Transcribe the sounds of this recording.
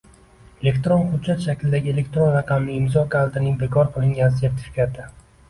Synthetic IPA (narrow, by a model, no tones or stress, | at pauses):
e̞le̞kʲt̪ɾonχʊd̪d͡ʒat̪ʃakʲlɪd̪aɡʲɪe̞le̞kʲt̪ɾonɾɑqʰɑmlɪɪmzɒkʲʰalˠt̪ɪnɪŋbe̞kʰɒɾqʰɨlˠɪŋɡʲanɪse̞ɾt̪ʰɪ̥fikʲʰat̪ʰɪ